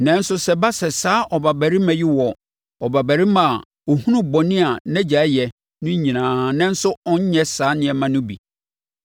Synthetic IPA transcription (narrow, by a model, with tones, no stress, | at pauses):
nɛ̃˦n̩˦sʊ˦sɛ˦ba˦sɛ˨saː˦ʔɔ˨ba˨bæ˨ɾi˦mã˨ji˦wɔ˨ | ɔ˨ba˨bæ˨ɾi˦mã˨ | o˨hũ˦nũ˦bɔ˨nɪ̃˦a˨nɛ̃˦d͡ʑa˨˦jɛ˨ | nʊ̃˦ɲĩ˨nãː˨nɛ̃˦n̩˦sʊ˦ɔ˦ɲ˦ɲɛ̃˦saː˨˦nɪ̃˨ɛ˨mã˦nʊ̃˦bḭ˨